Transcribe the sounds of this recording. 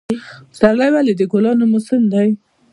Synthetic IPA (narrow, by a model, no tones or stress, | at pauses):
saɾlajwaled̪əɡolɑnomʊsɪmd̪aj